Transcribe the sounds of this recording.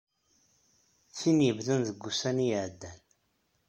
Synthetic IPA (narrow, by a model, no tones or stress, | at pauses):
θinjəvðənðəɡːusænijəʕd̪ːæn